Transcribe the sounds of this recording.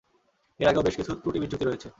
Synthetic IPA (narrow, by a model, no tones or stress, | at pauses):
eɾaɡeobeʃkit͡ɕʰup̪ɾuʈibidd͡ʑʱukt̪iɾojet͡ɕʰe